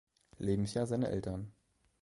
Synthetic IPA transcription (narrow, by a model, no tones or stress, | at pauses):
leːbm̩sjaːzaɪnə̰ʔɛ̰ltɐn